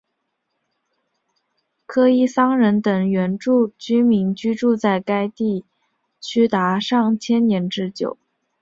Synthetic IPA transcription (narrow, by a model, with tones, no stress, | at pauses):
kʰɤ˥i˥˩sɑ˥ŋɻə˧˥nt̪ɤ˨˩ŋɥɛ˧˥nʈ͡ʂu˥˩t͡ɕy˥mi˧˥nt͡ɕy˥ʈ͡ʂu˥˧t͡sa˥˩ɪka˥ɪt̪i˥˩ | t͡ɕʰy˥t̪a˧˥ʂɑ˥˩ŋt͡ɕʰjɛ˥nnjɛ˧˥nʈ͡ʂɻ̩˥t͡ɕjo˨˩˦ʊ